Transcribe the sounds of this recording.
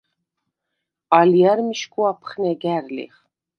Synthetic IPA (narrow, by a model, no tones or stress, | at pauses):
aliæɾmiʃkuapʰχnɛɡæɾlḭχ